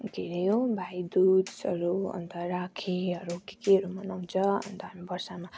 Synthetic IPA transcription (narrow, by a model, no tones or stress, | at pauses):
ɡeɾejobʱajd̪ud̪sʌɾuʌ̰nt̪ʌɾakʰiɦʌɾukekeɦʌɾumʌnaw̃nt͡sʰʌʌ̰nt̪ʌɦamibʌrsama